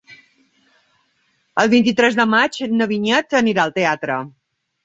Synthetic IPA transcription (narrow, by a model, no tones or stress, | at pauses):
əlˠβint̪it̪ɾɛzðəmad͡ʒnəβiɲɛt̪əniɾaəlˠt̪eat̪ɾə